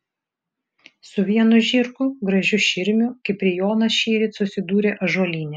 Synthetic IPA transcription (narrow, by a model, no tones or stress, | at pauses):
sʊʋʲiɛnʊʒʲɪɾkʊɡɾɐʒʲʊʃʲɪɾʲmʲʊkʲɪpʲɾʲɪjoːnɐsʃʲiːɾʲɪt̪sʊsʲɪd̪uːɾʲeːʔɐʒuɔlʲiːnʲɛ